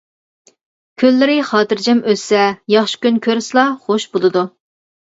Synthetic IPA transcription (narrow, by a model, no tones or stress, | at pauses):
kʲʰølːɪɾɪχɑːt̪ɨɾd͡ʒɛmøsɛjɑχʃi̥kʲynkʲʰøɾsɨlˠɑχoʃbolˠɨd̪u